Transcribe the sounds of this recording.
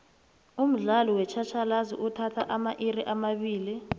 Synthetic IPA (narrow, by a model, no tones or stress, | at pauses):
um̩ɮalɔwɛt͡ʃʰat͡ʃʰalazḭʔutʰatʰaʔamaʔiriʔamaɓiːli